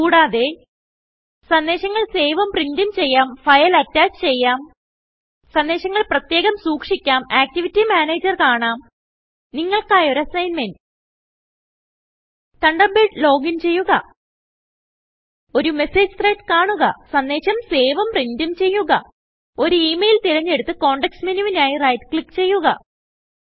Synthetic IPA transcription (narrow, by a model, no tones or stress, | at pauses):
kuːɽaːðe̞ | sɐnd̪eːɕɐŋːɐɭse̞ːʋɐmprindumt͡ɕe̞jːaːmfɐjɐlɐtːaːt͡ɕɨ̥t͡ɕe̞jːaːm | sɐnd̪e̞ːɕɐŋːɐɭprɐt̪je̞ːɣɐmsuːkʂikʲːaːmaːk̚tiʋitːimaːneːd͡ʑɐrkaːɳaːm | niŋːɐɭkaːjoɾɐsɐjnmen | t̪ɐɳɖɐmbeʈlo̞ːɡint͡ɕe̞jːuɣɐ̰ | o̞ɾume̞se̞ːd͡ʑɨt̪reːtkaːɳuɣɐ̰sɐnd̪eːɕɐmse̞ːʋɐmprindumt͡ɕe̞jːuɣɐ̰ | o̞ɾuiːmejlt̪iɾɐɲːe̞ɽut̪ːɨko̞ːɳɖeksminuʋinaːjirɐjʈkɭikːt͡ɕe̞jːuɣɐ̰